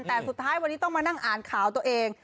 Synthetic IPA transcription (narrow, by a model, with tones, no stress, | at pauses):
nt̪ɛː˨˩su˨˩t̪ʰːaː˦˥jwa˧nːi˦˥t̪ɔ˥˩maː˧na˥˩ŋʔaː˨˩nkʰaː˩˦wt̪u˧ʔeː˧ŋ